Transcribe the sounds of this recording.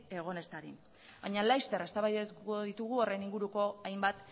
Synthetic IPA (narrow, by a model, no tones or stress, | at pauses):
e̞ɣ̞o̞ne̞st̪aɾi | baɲalajst̪e̞ɾe̞st̪aβajkoðit̪uɣuo̞ɾeniŋɡuɾuko̞ajmbat̪